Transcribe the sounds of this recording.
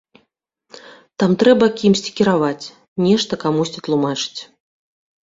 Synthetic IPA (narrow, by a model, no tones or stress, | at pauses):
t̪amt̪ɾɛbɐkʲimsʲt͡sʲi̥kʲiɾavat͡sʲ | nʲɛʂt̪ɐkamusʲt͡sʲit̪lˠumat͡ʂɨ̥t͡sʲ